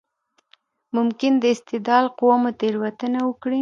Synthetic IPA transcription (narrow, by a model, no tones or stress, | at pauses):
mʊmkɪnd̪əɪst̪ɪd̪ɑlqʊwamot̪eɾwat̪ənawəkɽi